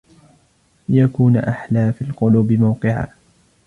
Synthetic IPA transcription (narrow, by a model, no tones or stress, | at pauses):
jakuːnʔaħlaːfiːlqʊluːbɪmawqɨʕa̰ː